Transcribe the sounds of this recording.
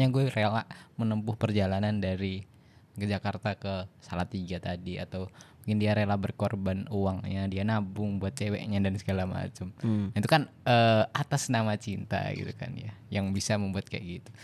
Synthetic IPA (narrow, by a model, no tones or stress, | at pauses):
ɲaɡuɛrelamənəmpʊhpərd͡ʒalanandaɾi | kəd͡ʒakart̪akəsalat̪iɡat̪adia̰t̪awmukɪndiaɾelabərkorbanuaŋɲadianabʊŋbuat̪̚t͡ʃewɛ̰ʔɲadansəɡalama̰t͡ʃəmait̪ukanəat̪asnamat͡ʃint̪a̰ɡḭt̪uka̰njajaŋbisaməmbuat̪̚kajʔɡit̪u̥